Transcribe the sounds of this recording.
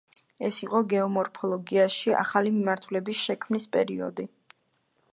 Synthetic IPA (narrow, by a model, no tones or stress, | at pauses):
ɛsiqʼɔɡɛɔmɔɾpʰɔlˠɔɡiaʃiʔa̰χalimimaɾt̪ʰulɛbisʃɛkʰmnispʼɛ̰ɾiɔ̰d̪i